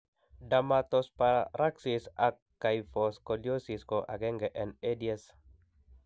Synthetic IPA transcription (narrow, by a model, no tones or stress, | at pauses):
damat̪ɔspaɾaksisakːajfɔskoljosiskɔʔa̰ɡɛŋɡɛʔɛnediɛs